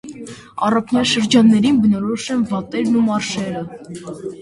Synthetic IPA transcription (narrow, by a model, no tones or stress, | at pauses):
ɑrɑpʰnjɑʃəɾd͡ʒɑnːɛɾinbənɔɾɔʃɛnvɑt̪ɛɾnumɑrʃɛɾə